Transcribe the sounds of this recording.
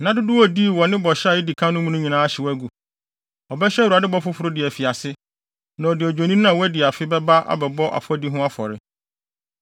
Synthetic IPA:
nã˨˦dʊ˦dʊ˦wɔ˦di˦˨wɔ˨nɪ̃˦bɔ˨ɕa˨ji˦di˨kʰã˦nʊ̃˦mũ˦nũ˦ɲĩ˨nãː˦a˦ɕɪ˨wɔ˦æ˦ɡu˨ | ɔ˨bɛ˦ɕɛ˦u˨a˨dɪ˦bɔ˦fʊ˦fʊ˦ɾʊ˦dɪ˨ɛ˨fi˨a˨sɪ˦ | nã˨ɔ˨dɪ˨ɔ˨d͡ʑᶣo˨nĩ˦n˦ã˨wɔ˦æ˦dɪ˨a˨fɪ˦bɛ˦ba˦ʔa̰˦bɛ˨bɔ˦ʔa̰˨fɔ˦di˦ɦʊ̃˦a˦fɔ̰˨ɾɪ˦

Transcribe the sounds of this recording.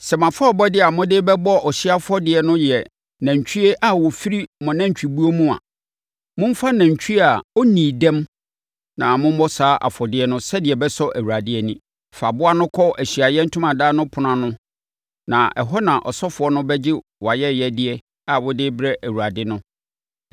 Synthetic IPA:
sɛ˨mã˨fɔ˦˨bɔ˦dɪ˦a˨mʊ̃˦dɪː˦bɛ˦bɔ˦ɔ˨ɕɪ˦a˦fʊ˦ɔ˦dɪ˨˦ɛ˨nʊ̃˦jɛ˨ | næ̃˨ɲ˨t͡ɕᶣʰi˦e˦ʔa˦wɔ˨fi˦ɾi˦mɔ̃˨nã˦ɲ˨t͡ɕᶣi˨bu˦o˦mũ˦a̰˨ | mʊ̃˦m̩˦fa˦nã˨ɲ˨t͡ɕᶣʰi˦a˨ɔ˦nĩː˨dɛ̃˦m | nã˨mʊ̃˦m̩˦bɔ˦saː˨˦ʔa̰˨fɔ˨dɪ˦ɛ˦nʊ̃˦sɛ˦dɪ˨ɛ˨bɛ˦sɔ˦ʔæ˨wu˨ɾa˨dɪ˦ɛ˨nĩ˦ | fa˨bʊ˦a˦nʊ̃˦kʰɔ˦ʔæ˨ɕi˨a˨jɛ˦n̩˦tʰʊ̃˦mã˨daː˦nʊ̃˦pʰʊ˨nã˨nʊ̃˦ | nã̰˨ʔɛ˨ɦɔ˦nã˨ʔɔ̰˨sɔ˦fʊ˨ɔ˦nʊ̃˦bɛ˦d͡ʑɪ˦ | wɔ˨a˨jɛ˦jɛ˦dɪ˦ɛ˦ | a˨wɔ˦dɪ˦bɾɛ˦ʔæ˨wu˨a˨dɪ˦nʊ̃˦

